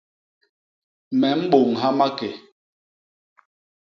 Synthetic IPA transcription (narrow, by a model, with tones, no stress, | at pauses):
mɛ˨m̩˦ɓo˨ŋɦa˦ma˦kɛ˨